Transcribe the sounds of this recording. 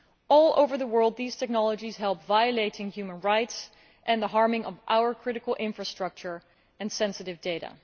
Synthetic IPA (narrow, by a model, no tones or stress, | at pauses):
ɔlˠo̰ʊvə˞ðəwɜ˞lˠd̪̚ðiz̥tʰɛk̚nɑlˠəd͡ʒiz̥ɦɛlˠpvajəleɪɾɪ̃ŋjʉmə̃nɹaɪts | ʔɨ̃nðəɦɑɹmɪ̃ŋʌvʔa̰ʊə˞kʰɹ̥ɪɾɨkəl̩ˠʔɪ̃ɱfɹəstɹ̥ʌk̚t͡ʃə˞ | ɨ̃nsɛ̃nsɨɾɨvdeɪɾə̰